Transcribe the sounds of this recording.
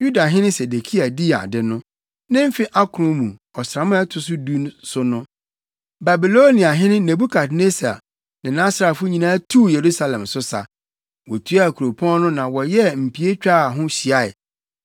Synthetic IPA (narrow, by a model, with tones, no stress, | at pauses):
ju˦da˨ɦɪ̃˦nɪ̃˦se˨de˨kʰi˦a˨di˦a̰˨dɪ˦nʊ̃˦ | nɪ̃˦m˦fi˦ʔa˦kʰʊ˨ʊ̃˦mũ˨ɔ˨sɾa˨˦mʊ̃˦ɛ˦tʰʊ˨˦s̬ʊ˦du˦nsʊ˦nʊ̃˦ | ba˨bi˨lo˦nĩ˨a˨ɦɪ̃˦nʊ̃˦nẽ˨bu˦kʰa˨tne˦sa̰˨ | nɪ̃˨nã˦sɾa˨fʊ˦ɲĩ˨nãː˦tʰu˦je˨ɾu˦sa˦lɛ̃˨msʊ˦sa̰˨ | wɔ˨tʰu˦a˦˨kʰu˨ɾo˨pʰɔ̃˦n˦nʊ̃˦nã˨wɔ˨jɛ˦m̩˨pʰi˨e˦t͡ɕᶣa˦a˨ɦʊ̃˦ɕi˨a˦ɛ̰˨